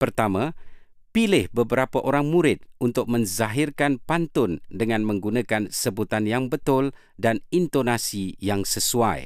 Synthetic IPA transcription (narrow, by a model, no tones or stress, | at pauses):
pərt̪amã | pilɪhbəbəɾapaʔoɾaŋmuɾɪt̪̚unt̪ʊk̚mə̃nzaɦɪrkanpant̪ʊndəŋãnmə̃ŋɡunakansəbut̪anjaŋbət̪ʊl | danint̪onasijaŋsəsua̰j